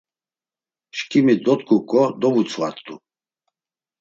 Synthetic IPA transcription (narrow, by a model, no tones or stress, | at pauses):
ʃkʼimid̪ɔt̪kʰukʼɔd̪ɔvut͡sʰwa̰t̪ʼu